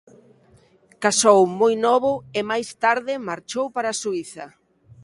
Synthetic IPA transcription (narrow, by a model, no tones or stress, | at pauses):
kasowmojnɔβʊɪmajst̪aɾðɪmaɾt͡ʃowpaɾasuiθɐ̰